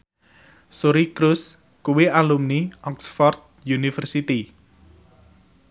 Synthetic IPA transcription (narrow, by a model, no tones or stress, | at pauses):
soɾikɾus | kuwiʔalumniʔɔksfɔrd̪̚junifərsit̪i